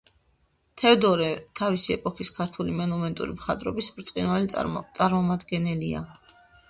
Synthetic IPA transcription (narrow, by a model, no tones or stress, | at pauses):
t̪ʰɛvd̪ɔɾɛt̪ʰavisiɛpʼɔχiskʰaɾt̪ʰulimɛnumɛnt̪ʼṵɾimχat̪ʼɾɔ̰bisbɾt̪sʼqʼinwalit̪sʼaɾmɔmad̪ɡɛnɛlia̰